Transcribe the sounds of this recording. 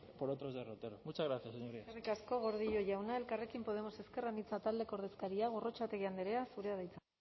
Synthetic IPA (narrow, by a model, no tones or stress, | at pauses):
poɾot̪ɾo̞zðerot̪eɾomut͡ʃazɣɾaθjaseɲoɾiarikasko̞ɣ̞o̞ɾðiʎo̞ʝawnae̞lkare̞kimpo̞ð̞e̞mose̞ske̞ranit͡sat̪ald̪e̞koɾðe̞skaɾiaɣ̞o̞ro̞t͡ʃat̪eɣiand̪eɾe̞asuɾe̞aðejt͡sa